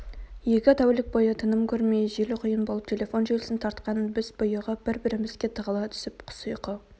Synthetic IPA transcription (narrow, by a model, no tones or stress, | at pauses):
je̞kʲɪt̪ʰæwlɪk̚bojət̪ʰənəmkʲʰɵɾmejʒelɪqʰʊjənbo̞lˠəp̚t̪ʲʰe̞lʲe̞fo̞nʒelɪsɪnt̪ʰɑɾt̪qɑnbɪzbʊjəʁəbɪɾbɪɾɪmɪzɡʲe̞t̪ʰəʁəlˠɑt̪ʰʏ̥sɪpqʰʊ̥səjqə